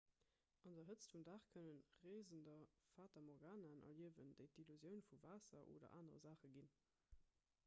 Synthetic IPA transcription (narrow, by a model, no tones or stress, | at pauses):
ʔɑndɐɦət͡stfumdaːχkʰənənʁeːzəndɐfaːtɐmɔʁɡaːnɐnʔɐ̰liəvənd̥əɪtiluzjəʊnfuvaːsɐ̰ʔo̰ːdɐ̰ʔaːnəʁzaːχəɡin